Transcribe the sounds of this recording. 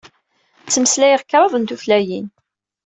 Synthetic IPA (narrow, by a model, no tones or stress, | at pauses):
t͡sːəməslæjəʁkːɾˤɑðˤənt̪uflæjin